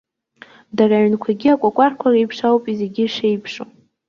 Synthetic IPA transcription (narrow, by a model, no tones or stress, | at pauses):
daraʕnkʷʰaɡʲiakʷʼakʷʼarkʷʰarejpʰʂawpʼizeɡʲɪʂejpʰʂo